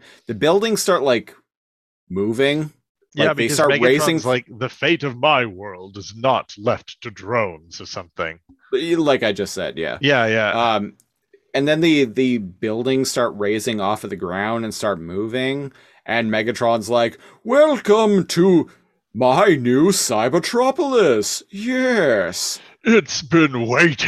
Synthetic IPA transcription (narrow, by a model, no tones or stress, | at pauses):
ðɨbɪlˠdɪ̃ŋstɑɹtˡlaɪk | muvɪ̃ŋ | jaɪæðeɪtɑɹt̚ɹeɪɪɹɪ̃ŋzlaɪk̚ðɨfeɪɾʌvmaɪwɜ˞lˠdɨznətlɛftʰɨdɹõʊ̃nz̥ə˞sʌ̃mθɪ̰̃ŋ | laɪkaɪd͡ʒʌstsɛ̰d̥jæ̰jæjæʌ̃m | ɨ̃nðɨ̃nðɨðɨbɪlˠdɪ̃ŋstɑɹt̚ɹeɪzɪ̃ŋɔfʌðɨɡɹã̰ʊ̃ndɨ̃nstɑɹt̚muvɪ̃ŋ | ʔɨ̃nmɛɡɨtʰɹ̥ɑ̃nzlaɪk | wɛlˠkə̃mtʰə | maɪnʉsaɪbətʰɹ̥ɑpəl̩ˠɪsjɛs | ɪtsb̥ɪ̃nweɪɾ